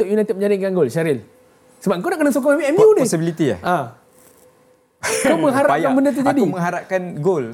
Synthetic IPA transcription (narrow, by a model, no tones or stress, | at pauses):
t̪ʊʔjunajt̪ɛt̪̚əɲd͡ʒadɪŋkanɡolʃaɾɪl | səbap̚əŋkonaʔkənasok̬ɔapiɛmiudɪsibilit̪ia̰ʔa | koməŋɦaɾaajkanbəndət̪əd͡ʒadiuməŋɦaɾap̚kanɡol